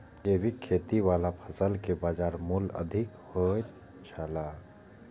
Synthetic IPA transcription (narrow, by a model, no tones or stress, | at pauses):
ebʱikʰet̪iwalapʰəsəlkebaːd͡ʒaːɾmulə̰d̪ʱikhojt̪ | t͡ʃʰəla